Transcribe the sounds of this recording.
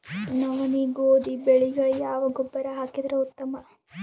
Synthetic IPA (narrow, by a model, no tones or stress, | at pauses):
nɐʋɐniɡoːd̪ibeɭiɡɐjaːʋɐɡɔbːɐɾɐɦaːkid̪ɐɾeut̪ːɐmɐ